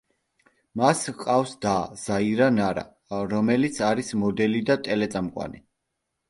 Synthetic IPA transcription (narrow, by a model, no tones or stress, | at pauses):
masqʼafsd̪az̥aiɾanaɾa̰ | ɾɔmɛlit̪sʰaɾismɔd̪ɛlid̪at̪ʼɛlɛt̪sʼamqʼwa̰ni